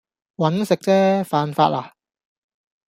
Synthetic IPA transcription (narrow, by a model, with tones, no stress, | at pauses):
wɐ˨˥nsɪ˨k̚t͡sɛː˥faː˧nfa̰ː˧t̚laː˧